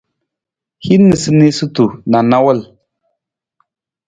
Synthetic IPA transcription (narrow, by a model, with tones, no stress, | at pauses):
hi˦nːɨ˨sɨ˦ne˦su˦tu˨na˨na˦wə˦l